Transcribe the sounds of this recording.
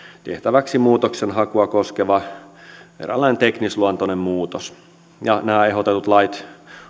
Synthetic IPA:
t̪eht̪æʋæksimuːt̪oksenhɑkuɑkoskeʋɑ | ḛræ̰lːæˑinent̪eknisluɑnt̪onemmuːt̪os | jɑnæːeɦot̪et̪ut̪lɑit̪

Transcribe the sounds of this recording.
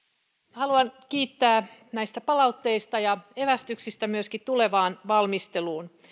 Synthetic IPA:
hɑluɑnkiːt̪ːæːnæist̪æpɑlɑut̪ːeist̪ɑjɑeʋæst̪yksist̪æmyøskit̪t̪uleʋɑːnʋɑlmist̪eluːn

